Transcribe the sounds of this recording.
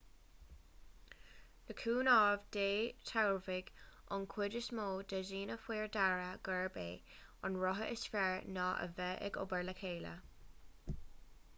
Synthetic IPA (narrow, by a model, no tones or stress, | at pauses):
ləkʰuːnɑːvd̥eːtʰawɹvɪɡ̥ | ɔ̰nkʰwɪdəsmoːd̪əʒiːnəfwiːɹdaɹəɡ̥əɹbeː | ɑnɹɔɦə̰ʔɪsfɛɹnɑːʔə̰vɛʔɛ̰ɡʊ̰bəɹləkʰeːlə̰